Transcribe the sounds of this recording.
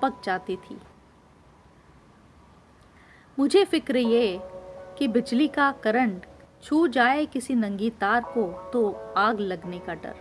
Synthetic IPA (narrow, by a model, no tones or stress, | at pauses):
pək̚t͡ʃaːt̪it̪ʰḭː | mʊd͡ʒʱefɪkɾeie | kibɪd͡ʒlikakɐɾə̃ɳʈt͡ʃʰuːd͡ʒaːekɪsinɐ̃ŋɡiːt̪aːɾkot̪oaːɡlɐɡnekaɖɐ̰ɾ